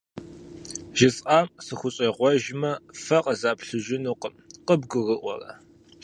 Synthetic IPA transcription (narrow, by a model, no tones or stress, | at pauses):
ʒɪsʼʔaːmsɨxʷʊɕʼeʁʷɔʒmɐfɐqʼəzaːpʰɬɨʒɪnuːqəmqəbɡʷʊrɨʔʷɔ̰rɐ̰